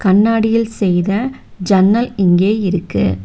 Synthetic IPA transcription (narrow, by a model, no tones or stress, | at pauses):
kɐɳːaːɽɪjɪlsɛjðɐd͡ʒɐnːɐlɪŋɡeːɪɾɯkːɯ̰